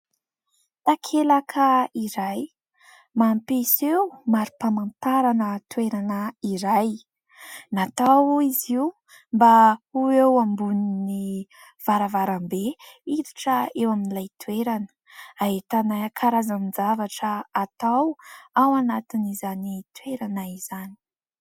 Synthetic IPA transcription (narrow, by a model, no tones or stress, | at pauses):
t̪akʰelakʰəiɾaj | mampesewmaɾupamant̪aɾanət̪ueɾanəiɾaj | nat̪awiziw | mbauewambunini | v̥aɾavaɾambeiɾiʈ͡ʂəewaminilajt̪weɾanə̥ | aet̪anakʰaɾazamind͡zavaʈ͡ʂəːt̪awawanat̪inizanit̪ueɾanaiz̥ani̥